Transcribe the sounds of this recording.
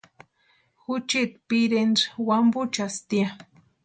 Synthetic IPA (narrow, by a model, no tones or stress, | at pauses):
xut͡ʃit̪̚piɾenɾwambut͡ʃast̪ia